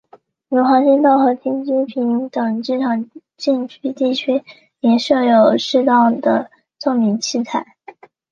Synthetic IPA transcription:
nu˧˥xwɑ˧˥ŋɕi˥nt̪ɑ˥˩ʊxɤ˧˥t̪ʰi˥ŋt͡ɕi˥pʰi˧˥ŋt̪ɤ˨˩ŋʈ͡ʂɻ̩˥˩ʈ͡ʂʰɑ˨˩ŋ | t͡ɕi˥˧ŋt͡ɕʰy˥t̪i˥˩t͡ɕʰy˥ | njɛ˧˥nʂɤ˥˩jo˨˩ʊʂɻ̩˥˧t̪ɑ˥˩ʊd̪ə̰˩ | t͡so˥˩ŋmi˧˥ŋt͡ɕʰi˥t͡sʰa˥˩ɪ

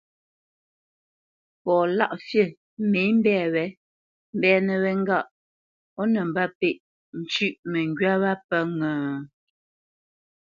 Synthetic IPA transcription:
pɔː˨la̰˦˨ʔsje˦˨ | me˨˦m̩˦bɛː˦˨wɛ˨˦ | m̩˦bɛː˦˨nə˨wɛ˨ŋ̩˦ɡa˦˨ʔ | ɔ˦nə˨m˨ba˦pe˦˨ʔ | n̩˨t͡ʃʉ˦ʔmə˨ŋɡɥa˦wa˦pə˦ŋə̃ː˨

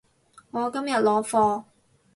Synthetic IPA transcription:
ŋɔː˨˧kɐ˥mjɐ˨t̚lɔː˨˧fɔː˧

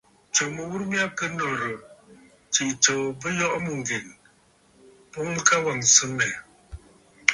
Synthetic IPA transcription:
t͡ʃo˨mə˨wu˦ɾmja˦p̚kə˦nɔ˨ɾə˨ | t͡ʃi˨t͡ʃo˨bə˦jɔ˦ʔmu˨ŋ˨ɡe˨n | po˦ŋ˦ka˦wa˨ŋsɨ˦mɛ˨

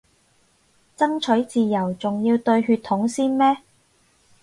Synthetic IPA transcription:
t͡sɐ˥ŋt͡ʃʰɵ˨˥ɥt͡siː˨jɐ˨˩wt͡sʊ˨ŋji˧wt̪ɵ˧ɥɦyː˧t̪ʰːʊ˨˥ŋsiː˥nmɛː˥

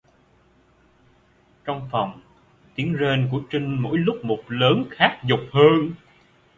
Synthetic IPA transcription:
t͡ɕɔ˧wŋ͡mfa˨˩wŋ͡m | t̪i˨˦ənze˧nku˧˩ət͡ɕï˧ŋ̟mo̰˧˥jlʊ˦˥k͡p̚mo˨˩t̚ləː˨˦nxaː˦˥k̚zʊ˨˩k͡p̚həː˧n

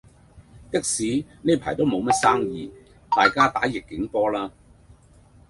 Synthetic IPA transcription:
t̪ɪ˥k̚siː˨˥neː˥pʰaː˨˩jt̪o˥wmo˨˧wmɐ˥t̚saː˥ŋjiː˨˧ | t̪aː˨jkaː˥t̪a̰ː˨˥jɪ˨kːɪ˨˥ŋpɔː˥laː˥

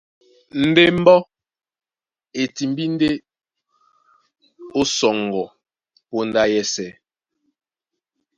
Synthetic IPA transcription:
n̩˦de˦m̩˦bɔ˦ | e˨ti˨m˦bi˦n˦de˦ | o˦sɔ˨ŋ˨ɡɔ˨ | po˦n˦da˦jɛ˦sɛ˨

